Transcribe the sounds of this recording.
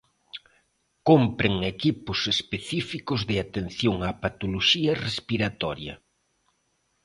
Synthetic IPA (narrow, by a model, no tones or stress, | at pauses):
kompɾeŋekipʊsespeθifikʊzðɪat̪enθjoŋapat̪oloʃiɐrespiɾat̪ɔ̰ɾjɐ̰